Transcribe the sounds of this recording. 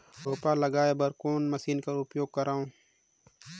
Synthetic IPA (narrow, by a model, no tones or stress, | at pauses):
oːpalɐɡaːebɐɾkoːnmɐsiːnkɐɾʊpjoːɡ̚kːɐɾaːũː